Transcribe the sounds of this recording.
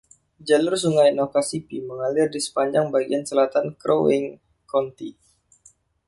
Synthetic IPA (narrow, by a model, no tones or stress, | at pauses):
d͡ʒalʊrsuŋajnokasipiməŋalɪrdisə̥paɲd͡ʒaŋbaɡiansəlat̪ankɾo̰ɛŋ | kɔnt̪i